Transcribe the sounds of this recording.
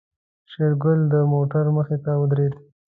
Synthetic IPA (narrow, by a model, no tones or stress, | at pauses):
ʃeɾɡʊld̪əmoʈaɾməxet̪aəd̪ɾed̪